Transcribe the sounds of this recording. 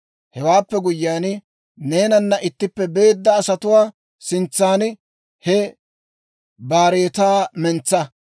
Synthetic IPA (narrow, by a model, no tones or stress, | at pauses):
hɛwaːpːɛɡʊjːaːn | ne̞ːnɐnːɐʔɪt̪ːɪpːɛbe̞ːd̪ːɐːsɐt̪ʊwaː | sɪnt͡sːaːn | hɛ | baːɾeːt̪aːmɛnt͡sːɐ